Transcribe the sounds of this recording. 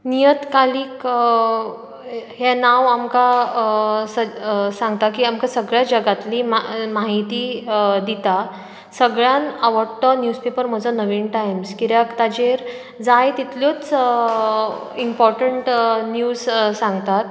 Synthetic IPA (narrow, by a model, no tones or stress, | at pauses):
nijət̪kaliːk | hɛnaʋamka | səsãŋɡ̚t̪akiːamkasəɡɭjad͡ʑəɡat̪liːmamaɦit̪iːd̪it̪a | səɡɭjanaʋəɽt̪ənjuspepəɾm̤əd͡zənəʋiːnʈajmskiɾjakt̪ad͡ʑeɾ | d͡zajt̪it̪ljot͡s | impɔɾʈəɳʈnjuːzsãŋɡt̪at̪